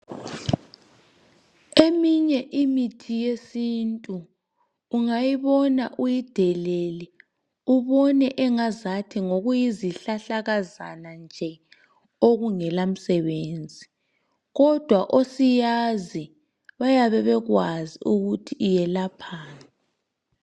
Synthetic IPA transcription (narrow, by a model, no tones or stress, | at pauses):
emiɲɛʔimitʰijesintʼuː | ŋajiβɔna̰ʔujid̥ʱɛleli | uβɔnɛʔɛŋazatʰiŋoɣujiziɬaɬaɣaza̰nand͡ʒʱɛ | oɣuŋɛlam̩sɛβeːnd͡zʱi | ɣɔd̥ʱwaʔosijazi | βajaβɛβɛɣwaziuɣutʰiʔːjɛlapʰaːna